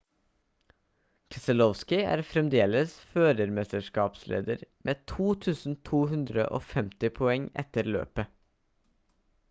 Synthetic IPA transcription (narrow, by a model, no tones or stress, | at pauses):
kʰɛsəlɔʋskɪæ̰ːɾfɾɛmd̪eːləsføːɾəɾmɛst̪əʃkɑːpslʔḛːd̪əɾmʔeːt̪ʰuːt̪ʰʉːsn̩t̪ʰuːhʉnd̪ɾə̰ʔo̰ːfɛmt̪ɪpʰɔɛŋɛ̰t̪əɾlø̰ːpə